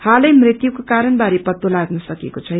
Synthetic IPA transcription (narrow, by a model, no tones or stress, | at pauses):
halʌjmrit̪jukokaɾʌnbaɾipʌt̪ːolaɡnʌsʌkekot͡sʰʌ